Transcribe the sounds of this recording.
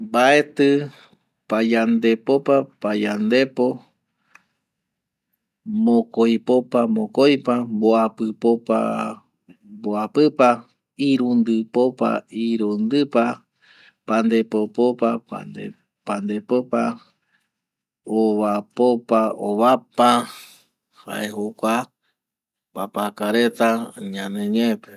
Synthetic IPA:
bae̞t̪ɨ | pajand̪e̞popapajand̪e̞po̞ | mõkojpopamõkojpamboapɨpopa̰ | boapɨpa | iɾund̪ɨpopa̰iɾund̪ɨpa | pand̪e̞popopapa̰d̪e | pand̪epopa | oβapopaoβapa | ha̰ʔehokʷa | papakaɾe̞t̪aɲãnẽɲepe

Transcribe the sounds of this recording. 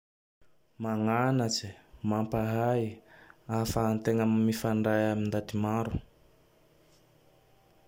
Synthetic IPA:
maŋanat͡simampaɦajafaːnt̪eŋammifaɳɖ͡ʐajamind̪at̪imaɾu̥

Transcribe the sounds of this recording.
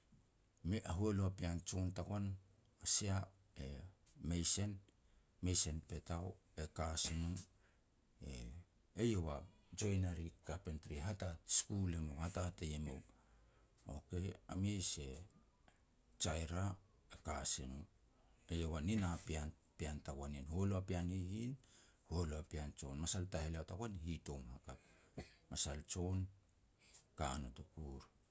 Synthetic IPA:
meʔaɦueluapiant͡ʃontakon | asia | e | mejse̞n | me̞jse̞npe̞taw | e̞kasinu | ḛ | ejewa | d͡ʒo̞jnaɾikapentɾiɦatatskulemowhatatejemḛw | o̰ke̞a̰miese̞ | t͡ʃajɾa | ekaseno | ejowaninapian | piantakwaninholoapianhihin | holoapiant͡ʃo̞nmasaltaheleawtakwanhito̞mhakap̚ | masalt͡ʃo̞n | kanotokuɾ

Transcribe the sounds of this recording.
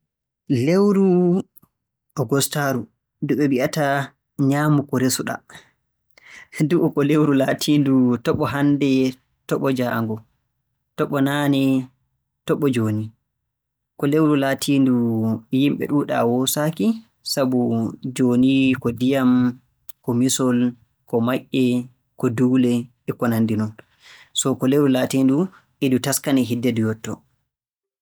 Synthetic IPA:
lewɾu | ʔɔɡɔstaɾu | duɓɛbiʔata | ɲaːmukɔɾesuɗa̰ | duʔɔkɔlewɾulaːtʰiːndutɔɓɔɦandɛ | tɔɓɔd͡ʒa̰ːŋɡɔ | tɔɓɔnaːnɛ | tɔɓːɔd͡ʒoːni | kɔlewɾulaːtʰiːndujimɓɛ̰ɗuɗa̰wɔsaki | sabud͡ʒoːnikɔdijam | kɔmisɔl | kɔmaʔɛ | kɔduːlɛ | ɛkɔnandinɔn | sɔkɔlewɾulatiːndu | ʔɛdutaskanɛɦidːɛdujɔtːɔ

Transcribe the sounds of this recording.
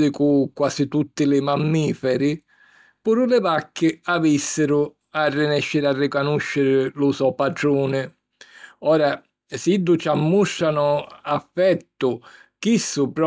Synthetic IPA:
d̪ɪkukwaːsit̪ut̪ːɪlɪmamːiːfɛɾɪ | puːɾʊlɪvakʰːɪavisːɪɾʊ | arːɪnɛʃːɪɾarːɪkanuʃːɪɾɪlʊsɔpaɖɾuːnɪ | ɔːɾa | sid̪ːʊt͡ʃamːuʃːanʊafːɛt̪ːʊ | k̟isːʊpɾɔ

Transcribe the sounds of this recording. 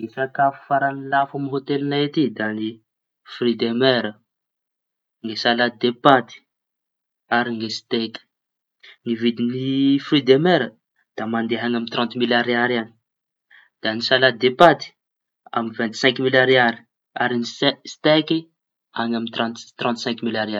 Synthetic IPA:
isakafu̥faɾanlafamiɦot̪elinaet̪id̪ani | fɾid̪emɛɾə | ŋɡesalad̪epat̪i̥ | aɾiŋɡesi̥t̪eki̥ | nivid̪inifrid̪emɛɾə | d̪̥amand̪eɦanamint̪ɾɑ̃nt̪milaɾiaɾani̥ | d̪̥anisalad̪epat̪i̥ | a̰minvɛnt̪sɛ̃ŋkmilaɾiaɾi̥ | aɾinisst̪eki | anamint̪ɾat̪t̪rɑ̃nt̪sɛ̃ŋkmilaɾiaɾ

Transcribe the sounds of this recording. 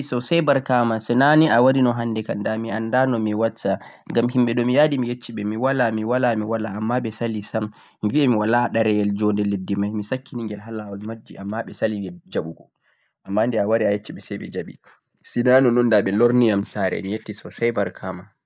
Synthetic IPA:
sɔsajbaɾkamasɛnaniʔawadinɔɦanːdɛkandamiandanɔmiwatːaŋɡamhimɓɛɗɔmijadimijet͡ʃːiɓɛmiwalamiwalamiwalaːmːaɓɛsalisam | mviɛmiwalaɗaɾɛjɛld͡ʒɔndɛledːimajmisakːiniŋɡɛlɦalawalmad͡ʒːiʔamːaɓɛsaliɛd͡ʒaɓuɡɔ | ʔamːandiawaɾiajet͡ʃːiɓɛsɛjɓɛ̰d͡ʒaɓḭ | sinanɔnɔndaɓɛloɾnijamsaɾɛ̰mijetːisɔsajbaɾkʰama

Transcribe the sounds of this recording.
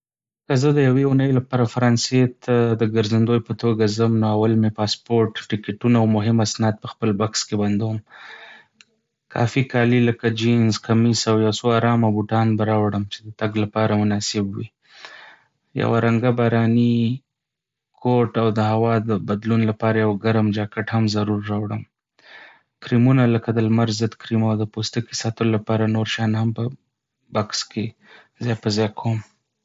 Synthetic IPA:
kəzəd̪əjaweunəjlapɑɾafaɾɑnset̪ʰad̪əɡəɾzand̪ojpət̪oɡazəmnoawalmepɑspoɾʈʈɪkeʈunaawmʊɦɪmasnɑd̪̚pəxpəlbakskeband̪awəm | kʰɑ̰fikɑliləkad͡ʒinzkamisawjawsoaɾɑmabuʈɑnbaɾɑwɽəmt͡ʃe̥d̪ət̪aɡlapɑɾamʊnɑsɪbwi | ja̰waɾaŋɡabɑɾɑni | kʰoʈawd̪əhawɑd̪əbad̪lunlapɑɾajawɡaɾmd͡ʒɑkaʈhamzaɾuɾːɑwɽəm | kɾimunaləkad̪əlmaɾzəd̪kɾimawd̪əpost̪əkisɑt̪əlolapɑɾanoɾʃɑnhampə | bakske | zejpəzɑjkʰom

